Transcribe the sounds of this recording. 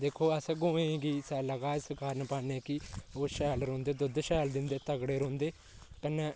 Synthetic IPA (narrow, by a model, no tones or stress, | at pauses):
d̪eːkʰːoːəsɡõːẽːɡiːsɛːləɡaːɪskaːɾənpaːneːkɪoːʃɛːlɾõːnd̪eːd̪ʊd̪ʃɛːld̪ɪnd̪eːt̪əɡɽeːɾõːnd̪eː | kənːẽː